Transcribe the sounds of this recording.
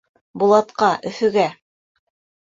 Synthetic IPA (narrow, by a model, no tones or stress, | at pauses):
bulˠɑt̪qɑʔɵ̆θɵ̆ɡæ